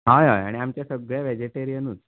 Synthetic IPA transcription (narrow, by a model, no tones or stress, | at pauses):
ɦajɦaja̰ɽ̃iamt͡ɕjasəɡɭjaʋɛd͡ʑeʈeɾijənut͡s